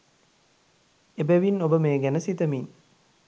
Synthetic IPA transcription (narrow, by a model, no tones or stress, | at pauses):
ebæʋinobəmeːɡænəsit̪əmin